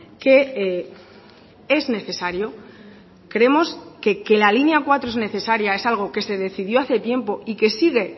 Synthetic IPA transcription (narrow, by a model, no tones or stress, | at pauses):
ke̞e | e̞zne̞θe̞saɾjo̞ | kɾe̞mo̞ske̞ke̞lalinjakwat̪ɾoe̞zne̞θe̞saɾjae̞salɣ̞o̞ke̞se̞ðe̞θiðjo̞aθe̞t̪je̞mpo̞ike̞siɣ̞e̞